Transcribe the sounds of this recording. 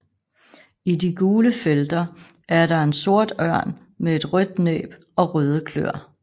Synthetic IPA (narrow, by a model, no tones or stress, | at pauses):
idiɡ̥uːləfeld̥ɐ | ʔæɐɾɑ̈e̝nso̝ɐ̰d̥ɶɐ̰n | mee̝d̥ʁœd̥̚nḛːb̥ | ɒ̽ʁœːð̞ˠəkʰlø̰ɐ̰